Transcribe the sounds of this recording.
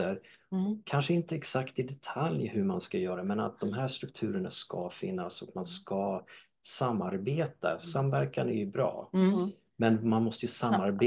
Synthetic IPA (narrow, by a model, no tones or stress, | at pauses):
əɾkʰanʂəɪnt̪əɛksakt̪ɪd̪ɛt̪ʰaljhɵmanskajœːɾaɛmɛna̰t̪̚d̪ɔmɦæːʂt̪ɾɵk̚t̪ʰʉ̟ːɾəɳaskɑfɪ̰nːasɔkmanska | samːaɾbeːt̪a̰samːvæɾkanæjɵbɾɑ̰ː | mɛnmanmɔst̪əjɵsamːaɾbe